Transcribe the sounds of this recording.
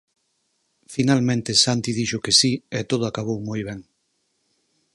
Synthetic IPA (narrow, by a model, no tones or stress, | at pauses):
finalmẽnt̪esant̪ið̞iʃʊkesiet̪oð̞ʊakaβ̞owmojβɛŋ